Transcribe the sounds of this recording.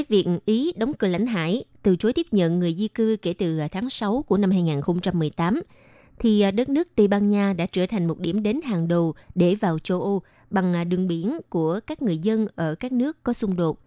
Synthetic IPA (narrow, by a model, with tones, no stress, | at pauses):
aː˨˦jvḭ˧˨ənʔi˨˦ɗə˨˦wŋ͡mkɨ˨˩la̰˧˥jŋ̟ɦa̰ː˧˥jt̪ɨ˨˩t͡ɕo˨˦jt̪i˦˥əp̚ɲə̰˧˨nŋɨ˨˩əjzi˧kɨ˧ke˧˩t̪ɨ˨˩t̪ʰaː˨˦ŋsa˨˦wku˧˩əna˧mhaː˧jŋaː˨˩nxə˧wŋ͡mt͡ɕa˧mːɨ˨˩əjt̪aː˨˦m | t̪ʰi˨˩˨ɗə˦˥t̚nɨ˦˥ək̚t̪i˧˩ɓaː˧nɲaː˧ɗa̰ː˧˥t͡ɕəː˧˩t̪ʰa˨˩jŋ̟mo˨˩t̚ɗi˧˩əmɗe˨˦nɦaː˨˩ŋɗo˨˩ɗe˧˩vaː˨˩wt͡ɕo˧ʔo˧ | ɓa˨˩ŋ˨˩ɗɨ˨˩əŋɓi˧˩ənku˧˩əkaː˦˥k̚ŋɨ˨˩əjzə˧nʔəː˧˩kaː˦˥k̚nɨ˦˥əkːɔ˨˦sʊ˧ŋ͡mɗo˨˩t̚